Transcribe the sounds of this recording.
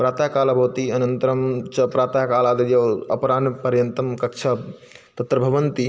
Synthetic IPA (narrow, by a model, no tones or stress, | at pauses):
pɾaːt̪aːkaːlabʱɐːt̪iɐnɐnt̪ɐɾɐmt͡ʃɐpɾaːt̪aːkaːlaːd̪ɐjɐɐ̰pɾaːnpɐɾjɐnt̪ɐmkɐkt͡ʃʰa | t̪ɐt̪ɾɐbʱɐʋɐnt̪i